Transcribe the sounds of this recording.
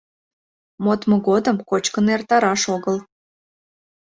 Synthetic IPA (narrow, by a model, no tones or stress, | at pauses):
mot̪mŏɣod̪əmkot͡ɕkənert̪ɑɾɑʃoɣəl